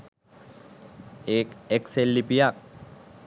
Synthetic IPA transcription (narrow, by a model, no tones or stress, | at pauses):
eːkekselːipijak